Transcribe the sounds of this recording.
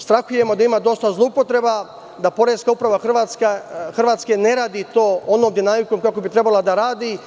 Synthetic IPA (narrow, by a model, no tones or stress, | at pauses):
st̪ɾaxuje̞mo̞d̪aimad̪o̞st̪azloupo̞t̪ɾe̞ba | d̪apo̞ɾeskaupɾaʋaxrʋat̪skaxr̩ʋaːt̪ske̞ne̞ɾaːd̪it̪o̞ːonoːmd̪inamiko̞mkako̞bit̪ɾe̞balˠad̪aɾaːd̪i